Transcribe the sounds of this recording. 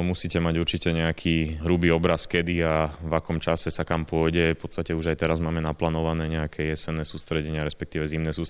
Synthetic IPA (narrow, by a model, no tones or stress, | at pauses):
musiːcɛmaɟuɾt͡ʃicɛɲɛakʰiːɦɾubiːɔbɾaskɛd̪iavakɔmt͡ʃasɛsakampʊɔjɟɛpɔt̪st̪acɛuʒajt̪ɛɾazmaːmɛnaplaːnɔʋanɛːɲɛakʰɛjɛsɛnːɛːsuːst̪ɾɛɟɛɲɪaɾɛspɛkt̪iːʋɛzimnɛːsuː